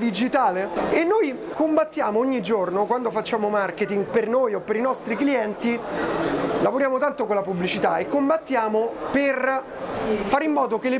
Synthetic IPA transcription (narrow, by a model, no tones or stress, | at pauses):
d̪id͡ʒit̪aːleenːoj | kombat̪ːjaːmooɲːid͡ʒornokwand̪ofat͡ʃːaːmomarket̪iŋɡpernoːjopːeɾinɔst̪ɾikliɛnt̪i | lavoɾjaːmot̪ant̪okolːapublit͡ʃit̪aekːombat̪ːjaːmoper | faːɾimːɔːd̪okelːe